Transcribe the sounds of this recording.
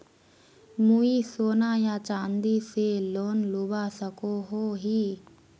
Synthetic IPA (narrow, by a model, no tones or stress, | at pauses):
muisoːnajat͡ʃãːnd̪iseloːnlubasəkoɦoːɦi